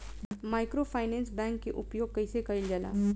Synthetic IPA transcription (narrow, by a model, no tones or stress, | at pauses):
maːɪkɾopʰaːɪnɛ̃ːnsbɛ̃ːŋkːeʔʊpjoːɡ̚kəɪsekɐild͡ʒaːla̰ː